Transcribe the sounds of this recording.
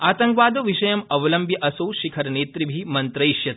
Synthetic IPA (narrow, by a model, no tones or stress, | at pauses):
aːt̪ɐŋkʋaːd̪oʋiʃɐjɐmɐʋɐlɐmbʱjɐʔɐsoːʃikʰɐɾneːt̪ɾibʱimɐnt̪ɾɐjʃjɐt̪